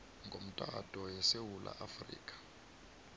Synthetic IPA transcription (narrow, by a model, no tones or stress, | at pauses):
ŋɡʱom̩tʼatʼɔjɛsewulʔa̰ʔafrḭːkʼḁ